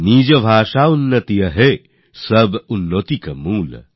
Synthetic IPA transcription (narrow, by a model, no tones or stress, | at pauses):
niːd͡ʒɐbʱaːʃaunːɐt̪ijɐɦe | səbunːoːt̪ikɐmuːl